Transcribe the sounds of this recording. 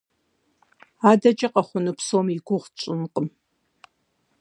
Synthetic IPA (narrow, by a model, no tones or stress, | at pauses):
aːdɐt͡ʃʼɐqʼɐχʷʊnɨpsomiɡʷʊʁt͡ʃʷʼɨnqʼəm